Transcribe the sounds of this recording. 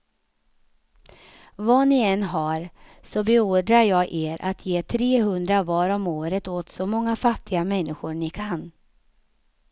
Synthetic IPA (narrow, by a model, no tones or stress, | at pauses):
vɑːnɪɛnːɦaɾsɔbɛoːd̪ɾaɾjɑːɡʔeːɾʔa̰t̪ʰjeːt̪ʰɾeːhɵnd̪ɾavɑːɾɔmoːɾət̪oːt̪sɔmɔŋːafat̪ʰːɪɡamɛnːɪɧʊɾnɪkʰan